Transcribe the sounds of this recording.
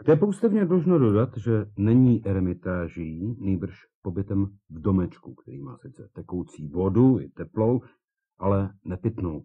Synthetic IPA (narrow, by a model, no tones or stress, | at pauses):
ɡ̥t̪ɛpowst̪ɛvɲɛdloʒnodo̞dat̪ʒɛnɛɲiːʔɛɾɛmɪt̪aːʒɪniːbr̩ʃ | po̞bɪt̪ɛm | vdo̞mɛt͡ʃkukt̪ɛɾḭːma̰ːsɪt͡sɛt̪ɛkowt͡siːvo̞duɪ̰t̪ɛplo̞w | ʔalɛnɛpɪt̪no̞̰w